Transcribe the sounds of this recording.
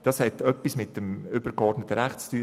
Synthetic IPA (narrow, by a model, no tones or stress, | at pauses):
d̥ɑshɛtœpːismɪtəmʏbəɾkɔrdnətːəɾæχt͡styː